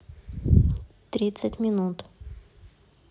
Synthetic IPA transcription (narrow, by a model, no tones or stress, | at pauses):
t̪ɾʲit̪sətʲmʲɪnut̪